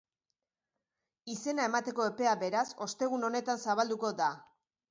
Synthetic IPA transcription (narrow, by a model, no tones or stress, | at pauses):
ise̞nae̞mat̪e̞ko̞e̞pe̞abe̞ɾaso̞st̪e̞ɣ̞uno̞ne̞t̪ansaβald̪uko̞d̪a